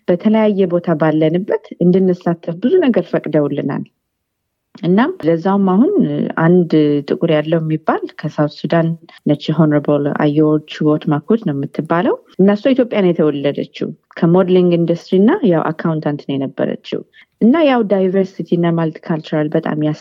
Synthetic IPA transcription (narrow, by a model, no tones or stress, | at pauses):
b̥ət̪ʰələjajːɛbo̞t̪ʰabalːənɨbːət̪ɨnd̪ɨnːɨsːat̪ʰːəfbɨzunəɡəɾfəkʼd̪əwulːɨna̰l | ʔɨnːamləzːawumːaɦuna̰nd̪t̪ʼɨkʼuɾjalːəwɛmːibːalkʰəsawt̪sud̪annət͡ʃːiɦonɾebəla̰jɛwot͡ʃːwot̪makʰod̪nəwmːɨt̪ʰːɨbːaləwʔɨnːəsuit̪ʰjopʼjanjɛt̪ʰəwɔlːəd̪ət͡ʃːḭ | kʰəmod̪liŋɡind̪ust̪ɾinːajawʔa̰kʰːawnt̪ʰant̪nəwjɛnəbːə̰ɾə̰t͡ʃːḭw | ʔɨnːajawd̪ajvəɾsit̪ʰiɨnːamalt̪kʰalt͡ʃuɾalbət̪ʼa̰mjas